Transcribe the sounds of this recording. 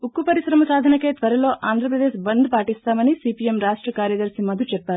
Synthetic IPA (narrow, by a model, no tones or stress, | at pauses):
ukːupɐɾiʃɾɐmɐsaːd̪ʱɐnɐkːet̪ʋɐɾɐlo̞ːʔaːnd̪ʱɾɐpɾɐd̪eːʃbɐnd̪ʱpaːʈist̪aːmɐnisiːpiemɾaːʂʈɾɐkaːɾjɐd̪ɐɾsimɐd̪ʱut͡ʃɛɾt̪aːɾu